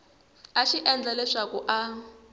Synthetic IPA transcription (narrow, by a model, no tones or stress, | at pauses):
aʃiʔɛnd͡ɮalɛʂakuʔa